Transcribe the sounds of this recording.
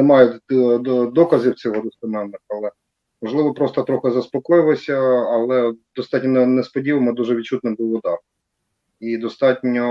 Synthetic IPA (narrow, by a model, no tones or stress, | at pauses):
ɛmɑjɛ | d̪ɔkɐzʲiwt͡sʲɔɦɔd̪ʊspɐmɛnnɪxɐlˠɛ | mɔʒlˠɪʋɔpɾɔst̪ɔt̪ɾɔxɪzɐspɔkɔjɪlˠɔsʲɐːlˠɛd̪̥ɔst̪ɑtʲnʲɔnnɛspɔdʲiʋɐmɔd̪uʒɛʋ̪̚ʲt͡ʃut̪nɪbuwʊd̪ɑr | id̪ɔst̪ɑtʲnʲɔ